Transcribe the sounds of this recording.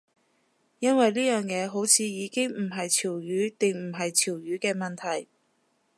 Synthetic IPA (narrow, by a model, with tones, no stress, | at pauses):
jɐ˥nwɐ˨jliː˥jœː˨˩ŋjɛː˨˧ɦo˨˥wt͡sʰiː˨˧jiː˨˧kɪ˥ŋmm̩˨˩ɦɐ˨jt͡sʰiː˨˩wjyː˨˥t̪ɪ˨ŋm̩˨˩ɦɐ˨jt͡sʰiː˨˩wjyː˨˥kɛː˧mɐ˨nt̪ʰɐ˨˩j